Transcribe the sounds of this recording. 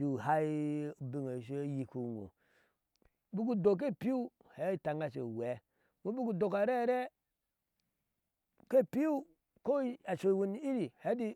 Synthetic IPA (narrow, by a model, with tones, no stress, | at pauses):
du˨ɦa˦˨bi˦ŋo˨s̬e˦ji˨ku˦˨ŋo̰˨ | bu˦k̬u˦do˨k̬e˦˨pi˦u˦ | he˨˦i˦ta˨ŋɡa˦s̬ḛ˨we˨˦ | mo˦bu˦ku˦do˨ka˨ɾe˦ɾe˦ | ke˦pi˦u˦ | ko˦a˨so˨wu˨n˦i˦ɾi˨he˦di˦